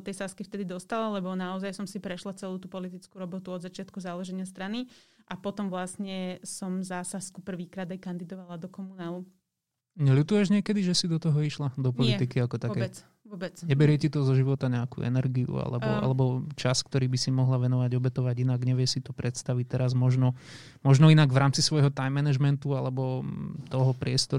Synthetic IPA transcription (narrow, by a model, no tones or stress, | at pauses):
d̪ɔt̪ɛjsaskift̪ɛd̪id̪ɔst̪alalɛbɔnaɔzajsɔmsipɾɛʃlat͡sɛluːt̪uːpɔlit̪it͡skuɾɔbɔt̪uɔd̪zat͡ʃɪat̪̚kuzalɛʒɛɲɪast̪ɾaniʔapɔt̪ɔmʋlasɲɛsɔmzaːsaskupr̩ʋiːkɾaːd̪ajkand̪id̪ɔʋalad̪ɔkɔmunaːlu | ɲɛlut̪ujɛʒɲɪɛkɛd̪iʒɛsid̪ɔt̪ɔɦɔiʃlad̪ɔpɔlit̪ikiakɔt̪akɛːɛ | bɛt͡sɲɛbɛɾɪɛcit̪ɔzɔʒiʋɔt̪aɲɛakṵːɛ̰nɛɾɡiṵa̰lɛbɔa̰lɛbɔt͡ʃaskt̪ɔɾiːbisimɔɦlaʋɛnɔʋaɟɔbɛt̪ɔʋaɟinaɡɲɛʋɪɛsit̪ɔpɾɛt̪st̪aʋic̚t̪ɛɾazmɔʒnɔ | mɔʒnɔinaɡʋɾaːmt͡sisʋɔjɦɔt̪ajmːɛnɛʒmɛnt̪ualɛbɔt̪ɔɦɔpɾɪɛst̪ɔ